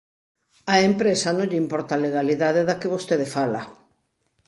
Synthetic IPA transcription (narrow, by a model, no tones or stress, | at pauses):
aempɾesanõŋʎimpɔɾt̪aleɣaliðaðeðakeβost̪eðefala